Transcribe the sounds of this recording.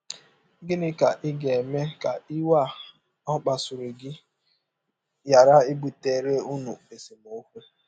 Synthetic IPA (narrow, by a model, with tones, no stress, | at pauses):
ɡɪ˦nɪ˦ka˨ʔɪ˦ɡe˨e˨me˦ka˨ɪ˦wa˦˨ | ɔ˦k͡pa˨su˨ɾe˨ɡɪ˦ | ja˨ɾa˦i˦bu˨te˨ɾe˦u˦nu˨e˨si˨mo˨˦kʷe˦